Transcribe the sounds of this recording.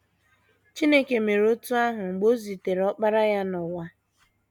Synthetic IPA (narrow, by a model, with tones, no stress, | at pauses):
t͡ʃi˦ne˦ke˨me˨ɾo˦tu˦a˦ɦʊ˨ŋ͡m̩˨ɡ͡bo˦zi˨te˨ɾɔ˦k͡pa˦ɾa˦ja˦nɔ˨wa˦